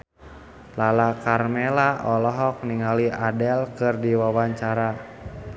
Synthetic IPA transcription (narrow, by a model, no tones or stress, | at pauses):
lalakarmɛlaʔɔlɔɦɔk̚niŋaliʔadɛlkɨrdiwawaɲt͡ʃaɾa